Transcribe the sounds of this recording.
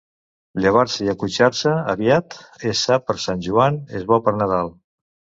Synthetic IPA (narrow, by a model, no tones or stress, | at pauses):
ʎəβ̞aɾsəiəkut͡ʃaɾsəəβiat̪esapəɾsanʲʒuanezβɔpəɾnəð̞alˠ